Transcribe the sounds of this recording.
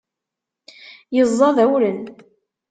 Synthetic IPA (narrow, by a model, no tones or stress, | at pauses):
jəzˤːɑðæwlən